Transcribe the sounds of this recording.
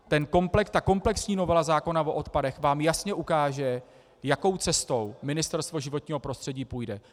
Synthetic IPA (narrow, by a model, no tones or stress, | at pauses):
t̪ɛnko̞mplɛkt̪ako̞mplɛksɲiːno̞vɛlazaːko̞navoʔot̪padɛxvaːmjasɲɛʔukaːʒɛ | jako̞wt͡sɛst̪o̞wmɪnɪst̪ɛɾst̪vo̞ʒɪvot̪ɲiːɦo̞pɾo̞st̪r̥ɛɟiːpuːjdɛ